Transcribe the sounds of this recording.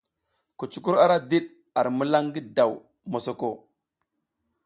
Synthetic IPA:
ku˨t͡ʃu˨ku˦ɾa˦ɾa˦di˦ɗ | a˨ɾmu˦la˦ŋɡi˦da˨w | mo˨so˨ko˦

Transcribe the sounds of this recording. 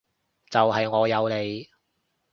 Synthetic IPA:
t͡sɐ˨wɦɐ˨jŋɔː˨˧jɐ˨˧wle˨˧j

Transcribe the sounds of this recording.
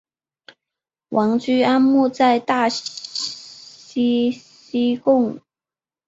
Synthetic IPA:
wʔɑ˧˥ŋt͡ɕy˥a˥nmu˥˧t͡sa˥˧ɪt̪a˥˩ | ɕi˥ɕi˥kʊ˥˩ŋ

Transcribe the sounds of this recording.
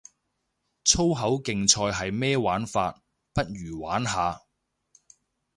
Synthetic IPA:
t͡sʰo˥wɦɐ˨˥wkɪ˨ŋt͡sʰɔː˧jɦɐ˨jmɛː˥waː˨˥nfaː˧t̚ | pɐ˥t̚jyː˨˩waː˨˥nɦaː˨˧

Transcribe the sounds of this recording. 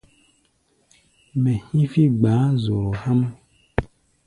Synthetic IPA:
mɛ̃˨hĩ˦fi˦ɡ͡ba˨˦zo˨lo˨ha˦mɛ˦

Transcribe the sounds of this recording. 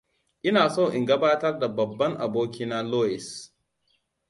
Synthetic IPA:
ʔɪ˦naː˨so˦˨ʔɪ˨ŋɡɐ˦baː˦tɐ˦rda˨bɐ˨bːɐ˦ŋʔa̰˨boː˦k̬ʲiː˦na˦loː˦jɪ˨s

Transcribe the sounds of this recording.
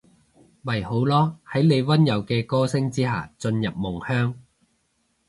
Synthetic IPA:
mɐ˨˩jho˨˥wlɔː˥hɐ˨˥jne˨˧jwɐ˥njɐ˨˩wkɛː˧kɔː˥sɪ˥ŋt͡siː˥ɦa̰ː˨t͡sɵ˧njɐ˨p̚mʊ˨˩ŋhœː˥ŋ

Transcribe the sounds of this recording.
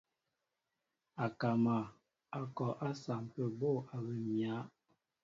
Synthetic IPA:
a˨ka˨ma˨ | a˨kɔ˨ʔa˦sa˨m˨pə˨bo˦˨a˨bə˨mja˨˦

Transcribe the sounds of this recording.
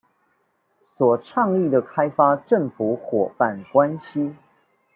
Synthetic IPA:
swɔ˨˩ʈ͡ʂʰɑ˥˧ŋi˥˨d̪ə˩kʰa˦ɪfa˦ʈ͡ʂə˥˨ŋfu˨˦xwɔ˨˩pa˥˨nkwa˦nɕi˦

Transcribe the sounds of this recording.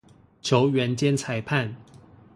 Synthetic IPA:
t͡ɕʰjo˨˧˥ʊɥɛ˧˥nt͡ɕjɛ˥nt͡sʰa˨˩ɪpʰa˥˨n

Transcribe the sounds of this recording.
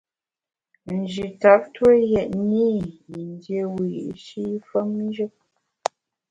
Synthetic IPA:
n̩˨d͡ʒi˨ta˨˦p̚twe˦jɛ˨ʔni˦i˨n˦dje˨wi˨jḭ˨ʔʃi˦fə˦m˦ʒə˦k̚

